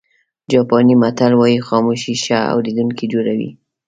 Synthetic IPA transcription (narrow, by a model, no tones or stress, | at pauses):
d͡ʒɑpɑnimat̪alwɑjixɑmuʃiʃaa̰wled̪uŋkid͡ʒoɾawḭ